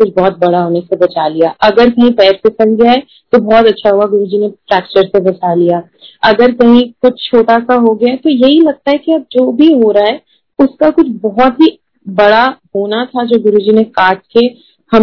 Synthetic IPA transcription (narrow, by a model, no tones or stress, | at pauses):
kʊt͡ʃʰbɔːt̪̚bɐɽaɦoːnesebɐt͡ʃaːlijaʔɐɡəɾkɐɦĩpɛːɾpɪsə̃nɡjaɦɛ | t̪obɔːt̪ɐtːʃʰaɦuaɡʊɾud͡ʒinefɾɛːk̚t͡ʃəɾsebɐt͡ʃalijaː | ɐɡəɾkɐɦĩkʊt͡ʃʰt͡ʃʰoːʈasaɦoɡɐjat̪ojɐɦilɐɡ̚t̪aɦɛkiɐb̚d͡ʒoːbʱiɦoːɾaaɦɛ | ʊskakʊt͡ʃʰbɔɦɔt̪ɦi | bɐɽaɦoːnat̪ʰad͡ʒoːɡʊɾud͡ʒinekaːʈ̚ke | hɐ